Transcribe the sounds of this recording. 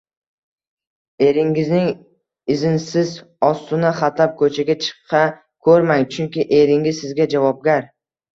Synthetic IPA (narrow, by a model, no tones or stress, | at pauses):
e̞ɾɪŋɪznɪŋ | ɪzɪnsɪz | ɒst̪ʊnaχat̪lap̚kʰɵt͡ʃʰaɡʲat͡ʃʰɨ̥qʰːɑ | kʰɵɾmaŋt͡ʃʰʊŋkʲɪʔe̞ɾɪŋɪzsɪzɡʲad͡ʒavɒb̚ɡʲaɾ